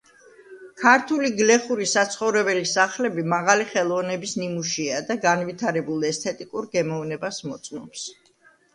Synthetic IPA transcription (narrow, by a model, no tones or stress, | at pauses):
kʰaɾt̪ʰuliɡlɛχuɾisat̪sʰχɔvɾɛbɛlisaχlɛbimaʁaliχɛlˠɔvnɛbisnimuʃiad̪aɡanvit̪ʰaɾɛbulˠɛst̪ʰɛt̪ʼikʼuɾɡɛmɔvnɛbasmɔt̪sʼnɔps